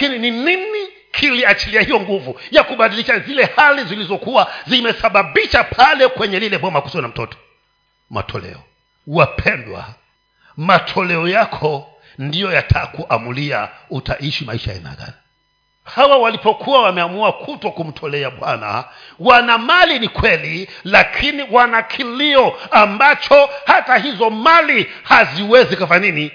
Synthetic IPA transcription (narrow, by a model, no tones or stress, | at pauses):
akinininini | kʰiliat͡ʃiliahijɔŋɡuvujakuɓaɗiliʃazilɛhalizilizɔkuwazimɛsaɓaɓiʃapʰalɛkwɛɲɛlilɛɓwamaku̥sɔnam̩tɔtɔ̥ | ma̰tʰɔlɛ̰ɔ | wapʰɛndwa̰ | matʰɔlɛɔjakʰɔ | ndijɔjatʰakuʔamulia̰utaʔiʃimaiʃajɛ̰na̰ɡa̰ni | hawawalipɔkʰuwawamɛamuakʰutɔkum̩tʰɔlɛaɓwana̰ | wanamalinikwɛlilakʰiniwanakʰiliɔambat͡ʃɔhatahizɔmali | haziwɛzikafanini